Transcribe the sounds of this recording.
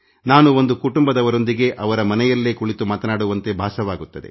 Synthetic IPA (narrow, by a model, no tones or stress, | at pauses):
naːnuo̞nd̪ukuʈumbɐd̪ɐʋɐɾo̞nd̪iɡe̞ʔɐʋɐɾɐmɐnɛjɐlːeːkuɭit̪umaːt̪ɐnaːɽuʋɐnt̪e̞bʱaːʃɐʋaːɡut̪ːɐd̪ḛ